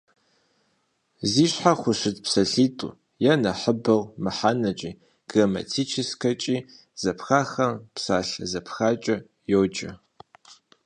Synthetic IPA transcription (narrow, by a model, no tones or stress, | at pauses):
ziːɕħaχʷʊɕɪtpsɐɬiːtʼṵː | jɛnɐħəbɨʁmɨħaːnɐt͡ʃʼiː | ɡ̥rɐmɐ̰tʰiːt͡ʃʰɪskʰɐt͡ʃʼiː | z̥ɐpxaːxɐmpsaːɬɐzɐpʰxaːt͡ʃʼɐ | jowd͡ʒʼɐ̰